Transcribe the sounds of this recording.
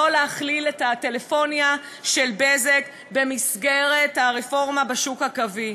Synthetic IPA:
oleaχliletate̞lefo̞nja | ʃe̞lbezek | be̞misɡeʁethaʁefo̞ʁmabeʃukhakavi

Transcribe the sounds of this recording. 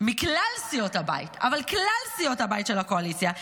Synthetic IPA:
miklalsijothaba̰jḭta̰valklalsijo̞thabajitʃelhako̞alit͡sja

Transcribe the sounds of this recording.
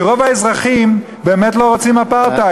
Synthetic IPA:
ʁo̞vaezʁaχim | be̞ːmetlo̞ʁot͡simapaʁt̪a

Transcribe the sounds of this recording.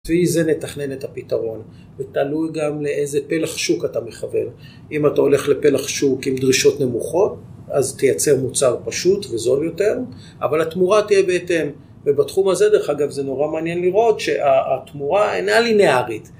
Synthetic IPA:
viize̞netaχne̞netapitaʁo̞n | vetalujɡamle̞ʔejzepe̞laχʃukatame̞χave̞̰n | imatao̞le̞χle̞pe̞laχʃukimd̪ʁiʃo̞tne̞muχo̞t | aztejat͡se̞ʁmut͡saʁpaʃutvezo̞ljo̞te̞ʁ | a̰valatmuʁatijebeetem | vebatχumazed̪eeχaɡavzeno̞ʁamaːnjenliʁo̞tʃe̞ʔaːt̪muʁaḛnaline̞aʁit

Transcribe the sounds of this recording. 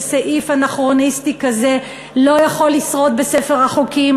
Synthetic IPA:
saʔifhanaχʁonistikaze̞ | lo̞jaχo̞lːisʁo̞t̪̚bese̞feʁaχukim

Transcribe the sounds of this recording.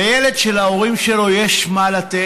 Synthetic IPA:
jele̞d̪ʃe̞laoʁimʃelo̞jeʃmalat̪e

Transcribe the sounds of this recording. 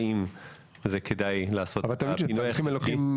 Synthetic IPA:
im | zekʰedajlaːsotavalt̪amʃinoimelokim

